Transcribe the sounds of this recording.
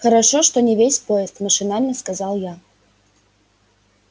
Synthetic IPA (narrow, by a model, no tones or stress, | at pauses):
xəɾɐʂoʂt̪onʲɪvʲesʲpoɪst̪məʂɨnalʲnəskazalˠja